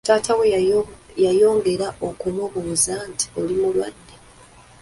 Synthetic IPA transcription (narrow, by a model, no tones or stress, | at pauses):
taːtʰawe | jajo̞ːŋɡe̞ɾaʔokumuβuzanti̥o̞limulwa̰dːe